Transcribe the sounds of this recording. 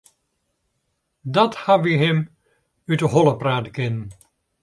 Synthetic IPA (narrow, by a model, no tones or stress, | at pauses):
dɑthaʋiɦɛm | ydəɦɔlˠəpraːtkɪnən